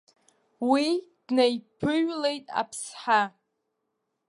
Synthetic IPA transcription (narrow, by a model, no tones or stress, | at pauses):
wid̥nejpʰɨɥle̞jtʼa̰pʰsħa